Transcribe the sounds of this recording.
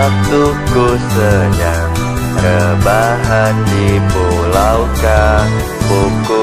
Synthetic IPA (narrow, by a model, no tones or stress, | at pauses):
at̪u | kosəja | ŋ | ɾəbaɦandipolawka | puoku